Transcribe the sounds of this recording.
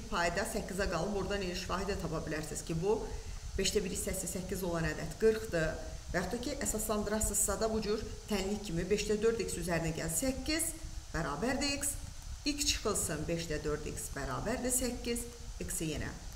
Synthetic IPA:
pʰɑjd̪ɑsæcːizɑɡɑlˠɯmoɾd̪ɑnelʲiʃfɑːɦid̪ɛt̪ʰɑpʰɑbilʲæɾsiz̥cʰibu | b̥eʃd̪æbiɾisæsisæcːizo̞lˠɑnæd̪æt̪ʰɡ̥ɯɾχd̪ɯ | væhɑχt̪ɑcʰiʔæsɑslˠɑnd̪ɯɾɑχsɯzsɑd̪ɑbud͡ʒyɾt̪ʰænlicʰimibeʃd̪æd̪ø̞ɾd̪iksyzæɾinæɟæ̰zsæcʰːiz̥b̥æɾɑːbæɾd̪iiks | icʰt͡ʃʰɯ̥χɯlˠsɯnbeʃd̪æd̪øɾd̪ḭksbæɾɑ̰ːbæɾd̪isæcːiz | iksijenæ̰

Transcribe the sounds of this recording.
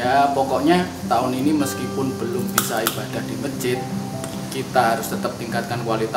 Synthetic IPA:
japɔkɔʔɲa | t̪aʊniniməskipʊnb̥əlʊmbisaib̥ad̥ahd̥imə̥d͡ʒɪt̪̚ | kit̪aɦaɾʊst̪ət̪əp̚t̪iŋkat̪̚kankuwalit̪a

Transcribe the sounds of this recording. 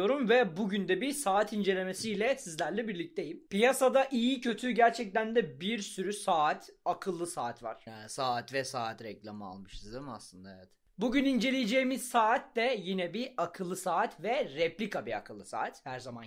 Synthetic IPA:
o̞ɾumvɛbuɟynd̪ɛbisaːat̪ʰind͡ʒe̞lʲe̞me̞sijlʲɛsizlʲæɾlʲɛbiɾlʲic̚t̪ʰejimpijasad̪aʔijicʰø̞t̪ʰyɟæɾt͡ʃʰɛc̚t̪ænd̪ɛbiɾsyɾysaːt̪ʰakʰɯlˠːɯsaːt̪va̰ɾ̥saːat̪vɛsaːat̪ɾɛclʲˠamɯa̰lˠmɯʃsizɛma̰slˠɯnd̪aevɛt̪ | buɟynind͡ʒe̞lʲejed͡ʒejmiz̥saːat̪d̪ɛjinɛbiakʰɯlˠːɯsaːat̪vɛɾɛplʲikʰabia̰kʰɯlˠːɯsa̰ːat̪hæɾzaman

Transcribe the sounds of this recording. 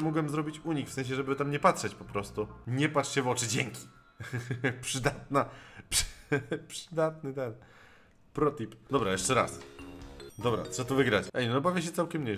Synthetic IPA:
mɔɡwɛmzɾɔbʲit͡ɕuɲixfsɛ̃ɲ̃ɕ̬ɛʐɛbɘt̪amɲɛpatʂɛt͡ɕpɔpɾɔst̪uɲɛpatʂɕɛvɔt͡ʂɘd͡ʑɛŋkʲi̥ | pʂɘd̪at̪̚nap | pʂɘd̪at̪nɘt̪ɛn | pɾɔt̪ipd̪ɔbɾajɛʂt͡ʂɛɾa̰s | d̪ɔbɾa̰t̪sɔt̪ɔvɘɡɾat͡ɕɛjnnɔbavʲaɕ̬ɛt̪sawkʲɛmɲej

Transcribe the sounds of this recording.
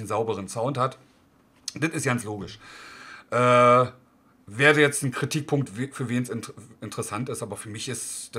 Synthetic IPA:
n̩zaʊbəʁ̞ənsaʊnthat | d̥ɪtɪstɡ̥ansloːɡɪʃ | ʔɛː | veːɐdəjɛt͡stn̩kʁ̥itʰiːk̚pʰʊŋk̚tvfyːɐveːnsɪnɪntəʁəsantɪstʔaːbɐfyːɐmɪçɪstd̥a

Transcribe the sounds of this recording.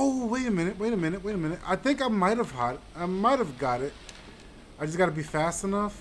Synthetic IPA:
oʊweɪɾɨmɪ̃nɨt̚weɪɾɨmɪ̃ñɨt̚weɪɾɨmɪ̃nɨt̚a̰ɪθɪ̃ŋkaɪmaɪt̚hɨv̥hɑɾaɪmaɪt̚hɨvɡɑɾɪt̚ | aɪd͡ʒʌsɡ̥ɑɾɨbifæstɨnʌf

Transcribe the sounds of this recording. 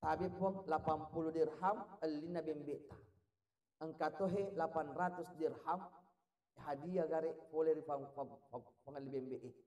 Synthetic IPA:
sabipɔŋlapampuludirɦaməlːinabɛmbɛʔt̪a | əŋkat̪ɔɦelapanrat̪usdirham | ɦadiaɡaɾeʔkoleɾipaŋpapapaŋəlːibɛmbɛʔe

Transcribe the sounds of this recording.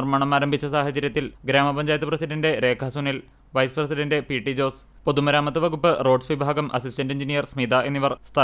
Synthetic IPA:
rmaːɳɐmaːɾɐmbʱit͡ɕːɐsaːɦɐt͡ɕːɐɾjɐt̪ːilɡɾaːmɐpɐɲd͡ʑaːjɐt̪ːɨprɐsiɖɐnɖe̞ɾe̞ːkʰaːsunil | ʋɐjsɨ̥prɐsiɖɐnɖepiːʈːid͡ʑo̞ːs | po̞ðumɐɾaːmɐt̪ːɨʋɐɣupːɨro̞ːɖsʋibʱaːɡɐmʔɐsisʈɐnɖeɲd͡ʑinijɐrsmid̪aʔe̞nːiʋɐrst̪ʰɐ

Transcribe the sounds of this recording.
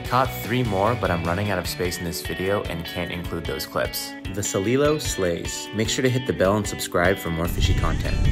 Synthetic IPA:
kʰɑt̪̚θɹimɔɹbʌɾãɪ̃mɹʌnɪ̃ŋaʊɾʌv̥speɪsn̩ðɪsv̥ɪɾioʊʔɨ̰̃nkʰæ̃ntɨ̰̃nkʰl̥ud̪̚ðoʊz̥kʰl̥ɪ̰ps | ðɨsəlilˠoʊsleɪz̥meɪkʃʊɹɾɨɦɪt̪̚ðɨbɛlˠə̃nsɨb̥skɹaɪb̥fə˞mɔɹfɪʃikʰɑ̰̃ntʰɛ̰̃nt̚

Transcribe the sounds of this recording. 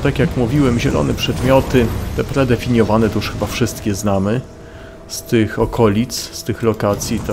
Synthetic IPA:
t̪akʲjakmuvʲiwɛmʑɛlɔ̰nɛpʂɛd̪mʲjɔt̪ɘt̪ɛpɾɛd̪ɛfʲiɲjɔvanɛt̪ɔuʂxɘbafʂɘst̪kʲɛznamɘ | st̪ɘxɔkʰɔlʲit̪sst̪ɘxlɔkat̪sʲjit̪

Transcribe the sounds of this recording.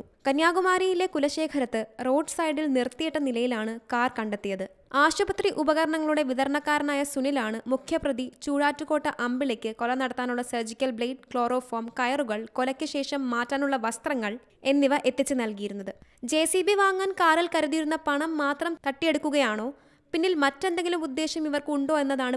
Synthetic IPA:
kɐnjaːɡumaːɾijile̞kulɐɕe̞ːkʰɐɾɐt̪ːɨro̞ːɖsɐjɖilnirt̪ːijiʈːɐnilɐjilaːɳɨkaːrkɐɳɖet̪ːijɐðɨ | aːɕɐbɐt̪riʔubɐɣɐɾɐɳɐŋːɐɭuɽe̞ʋiðɐɾɳɐkːaːɾɐnaːjɐsunilaːɳɨmukʰjɐprɐðit͡ɕuːɻaːtːuɣo̞ːʈːɐʔɐmbile̞ːkʲːɨko̞lɐnɐɽɐt̪ːaːnuɭːɐsɐrd͡ʑikʲːɐlbɭejːɖkɭo̞ːro̞ːfoːmkɐjɐruɣɐɭko̞lɐkʲːɨɕe̞ːʂɐmːaːtːaːnuɭːɐʋɐst̪rɐŋːɐɭ | e̞nːiʋɐʔe̞t̪ːit͡ɕːɨnɐlkijiɾunːɐðɨd͡ʑe̞ːsibiʋaːŋːankaːrilkɐɾuðijiɾunːɐpɐɳɐmːaːt̪rɐmt̪ɐʈːije̞ɽukːuɣɐjaːɳo̞ː | pinːilmɐtːe̞nd̪eŋɡilumud̪ːe̞ːɕjɐmiʋɐrkuɳɖo̞ːe̞nːɐðaːɳɨ

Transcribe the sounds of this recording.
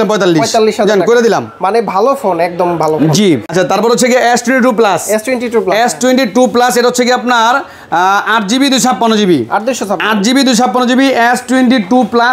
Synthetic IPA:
lampɔjt̪alːiɔjʃt̪alːiʃad͡ʑankoɾed̪ila̰mmanebʱalofonɛk̚d̪ombʱalofd͡ʑiatːt͡ɕʰat̪aɾpɔɾot͡ɕʰːeɡiʔɛsʈweɳʈiʈup̬lasɛsʈwenʈiʈuplesʈweɳʈiʈuplaseʈaɦott͡ɕʰːeɡiapnaɾ | aɾd͡ʑibid̪ujʃʰapːanod͡ʑibia̰ɾd̪uʃɔt̪ʰaaɾd͡ʑibid̪ujʃʰapːanod͡ʑibiʔesʈuweɳʈiʈupla

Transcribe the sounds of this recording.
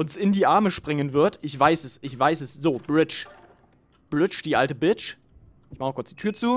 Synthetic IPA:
ʔʊnsɪndiːʔaɐməʃpʁ̥ɪŋənvɪɐtɪçv̥aɪsɛsɪçv̥aɪsɛsz̥oːb̥ʁɪt͡ʃ | b̥ʁɪt͡ʃd̥iːʔaltəbɪt͡ʃ | ʔɪçmaχnkʰʊɐt͡ssd̥iːtʰyːɐt͡suː

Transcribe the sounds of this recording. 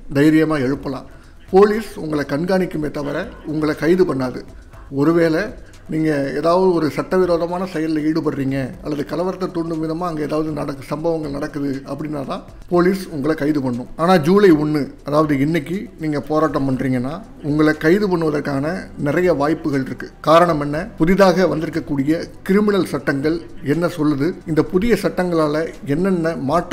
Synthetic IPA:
d̪ɐjɪɾɪjɐmaːɛɻɯpːɐlã̰ː | poːliːsʊŋɡɐɭɐkɐɳɡaːnɪkːɯmeːt̪ːɐʋɐɾɐʊŋɡɐɭɐkɐɪðɯpɐɳːaːðɯ | ɔɾɯʋeːlɛ | niːŋɡɐeːðaːʋɐðɯɔɾɯsɐʈːɐʋɪɾoːðɐmaːnɐsɛjɐllɐiːɽɯpɐɾɾiːŋɡɐɐ̰lːɐðɯkɐlɐʋɐɾɐt̪ːɐt̪ːuɳɖɯʋɪðɐmaːɐŋɡɐeːðaːʋɐðɯnɐɽɐkːɯsɐmbɐʋɐŋɡɐɭnɐɽɐkːɯðɯɐpːɐɽɪnːaːt̪ãː | poːliːsʊŋɡɐɭɐkɐɪðɯpɐɳːʊ̃maːnaːd͡ʒuːlɐɪʊɳːɯɐðaːʋɐðɯɪnːɛkːiniːŋɡɐpoːɾaːʈːɐmpɐɳriːŋɡɐnːaː | ʊŋɡɐɭɐkɐɪðɯpɐɳːɯʋɐðɐɾkaːnɐnɪɾɐjɐʋaːjpːɯɣɐɭɪɾɯkːɯkaːɾɐɳɐmɛnːɐpʊðɪðaːɣɐʋɐnd̪ɪɾɯkːɐkːuːɽɪjɐkɪɾɪmɪnɐlsɐʈːɐŋɡɐɭɛnːɐsɔlːɯðɯɪnd̪ɐpʊðɪjɐsɐʈːɐŋɡɐɭaːlɐɛnːɛnːɐmaːʈː

